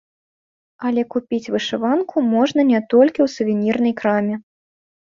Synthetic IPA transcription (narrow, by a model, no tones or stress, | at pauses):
ɐlʲɛkupʲit͡sʲvɨʂɨvankʰumɔʐnɐnʲɛt̪ɔlʲkʲiwsuvʲinʲirnɐjkɾamʲɛ